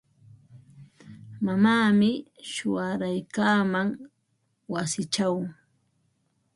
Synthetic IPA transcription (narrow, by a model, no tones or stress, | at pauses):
mamaːmɪʃʊaɾajkaːmaŋ | wasɪt͡ʃaw